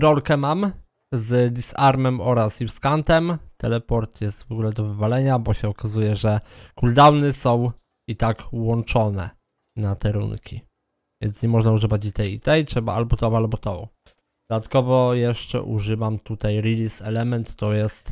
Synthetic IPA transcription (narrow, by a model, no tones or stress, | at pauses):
ɾɔlkɛmam | zd̪isaɾmɛmɔɾasjifskant̪ɛmt̪ɛlɛpɔɾt̪jɛst̪vɔɡulɛd̪ɔvɘvalɛɲabɔɕɛɔkazujɛʐɛkuld̪awnɘsɔ̃w̃ | it̪akwɔnt͡ʂɔnɛ̰ | nat̪ɛɾṵŋkʲi | vʲjɛ̰ntsɲɛmɔʐnauʐɘvat͡ɕit̪ɛjit̪ɛjtʂɛba̰ʔalbɔt̪ɔvaalbɔt̪ɔ | d̪̥ɔd̪at̪kɔvɔjɛʂt͡ʂɛ̰ʔṵʐɘvamt̪ut̪ajɾilʲisɛlɛmɛnt̪ːɔjɛst̪